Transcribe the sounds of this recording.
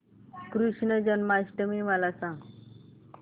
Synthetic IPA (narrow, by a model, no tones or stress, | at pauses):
kɾuʂɳəd͡ʑənmaɕʈəmiməlasãŋɡ